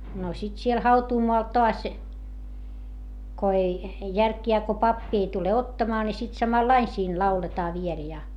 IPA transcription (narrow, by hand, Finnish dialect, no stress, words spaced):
no sit siel hɑutuːmoɑl toɑs ko ei jærkjæː ko pɑpːi ei tule otːɑːmɑː ni sit sɑmɑlːɑin siːn lɑuletɑː ʋiel jɑ